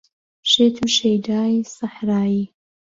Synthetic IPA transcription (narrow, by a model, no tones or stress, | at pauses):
ʃeːt̪ʰuʃejd̪aːjsaħɾaːi